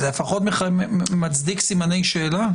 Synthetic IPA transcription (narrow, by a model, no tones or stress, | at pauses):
elefaχo̞t̪meχamat͡sd̪iksimane̞jʃe̞ːla